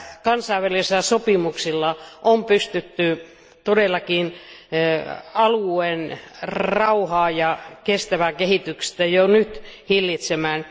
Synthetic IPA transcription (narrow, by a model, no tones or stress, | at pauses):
kɑnsɑiʋæliselæsopimuksilːɑʔompyst̪yt̪ːy | t̪odelːˑɑkin | ɑluenrɑuhɑːjɑkest̪æʋækehit̪ykst̪æjonyt̪hilːit̪semæːn